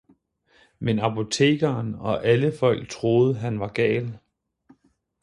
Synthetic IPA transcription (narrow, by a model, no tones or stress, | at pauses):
menɑ̈pʰo̝t͡sʰe̝̰ːɡ̥ɐːnɒ̽ʔæləfɒ̽l̰ɡ̥̚t͡sʰʁo̝ːð̞ˠəɦænʋɑ̈ɡ̥ɛ̰ːl